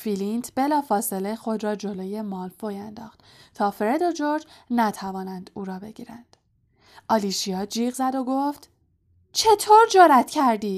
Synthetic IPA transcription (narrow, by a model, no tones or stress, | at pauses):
filint̪ʰb̥e̞lɒːfɒːse̞le̞xo̞d̪ɾɒːd͡ʒo̞loːje̞mɒːlfojænd̪ɒ̰ːxt̪ | t̪ʰɒːfeɾed̪o̞d͡ʒoɾd͡ʒnæt̪ʰævɒːnænd̪̥uːɾɒːbe̞ɡḭːɾænd̪̥ | ʔɒːliːʃiɒːd͡ʒiːɣzæd̪o̞ɡoft̪ | t͡ʃʰe̞t̪ʰoːɾd͡ʒoɾæt̪cʰæɾd̪iː